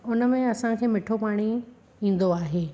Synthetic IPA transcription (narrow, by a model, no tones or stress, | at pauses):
ʊnəmẽɐsãkʰeːmɪʈʰopaːɽ̃i | ĩːn̆d̪oaːɦeː